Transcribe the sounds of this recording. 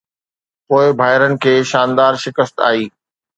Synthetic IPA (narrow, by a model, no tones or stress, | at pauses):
poːɪbʱaːɦɪɾənɪ̆kʰeːʃaːnd̪aːɾʃɪkəst̪a̰ːiː